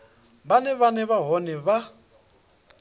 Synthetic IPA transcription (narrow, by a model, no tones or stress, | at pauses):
banɛβanɛβaɦɔnɛβa